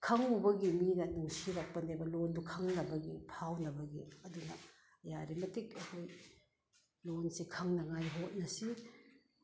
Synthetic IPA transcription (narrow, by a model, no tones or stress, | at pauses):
kʰɐŋubɐɡiminɐnuŋsiɾɐk̚pɐnebɐlondukʰɐŋnɐbɐɡḭpʰawnɐbɐɡiɐdunɐ | ɐjaɾimɐtik̚ɐkʰoj | lonsikʰɐŋnɐŋajɦot̚nɐsi